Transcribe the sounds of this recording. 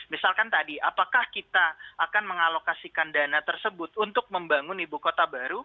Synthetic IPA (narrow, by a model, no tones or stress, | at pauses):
misalkant̪adiʔapakahkit̪aːkanməŋalokasikandanat̪ərsəbʊt̪̚unt̪ʊk̚məmbaŋʊnibukot̪abaɾu